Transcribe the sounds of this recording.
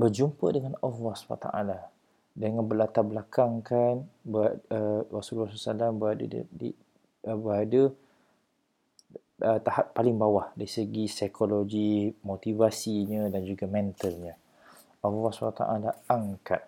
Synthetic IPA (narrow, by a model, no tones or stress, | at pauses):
bərd͡ʒumpədəŋanɔvaspa̰t̪a̰ʔa̰la | dəŋanbəlat̪abəlakaŋkanbərasulrasusalambəada̰d̰di | bəadə | ət̪ahat̪̚palɪŋbawahdaɾisəɡisajkʰoloɡimot̪ivasiɲə̃dand͡ʒuɡamɛ̃nt̪əlɲə | ɔvaspat̪a̰ʔalaaŋka̰t̪̚